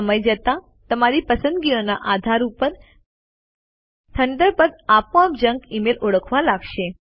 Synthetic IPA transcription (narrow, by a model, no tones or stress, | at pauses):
əməjd͡ʒət̪a | t̪əmaɾipəsə̃nd̪ɡionaʔad̪ʱaɾupəɾ | t̪ʰənd̪əɾpəd̪apõap̚d͡ʑə̃ŋɡimelʔoɽəkʰʋalaɡʃe